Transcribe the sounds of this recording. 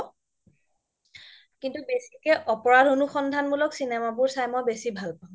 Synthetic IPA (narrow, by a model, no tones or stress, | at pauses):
kintubesikɛʔɔpɔɹadonuxɔndʱanmulɔksinɛmabʊɹsajmɔjbesibʱalpaʊ̃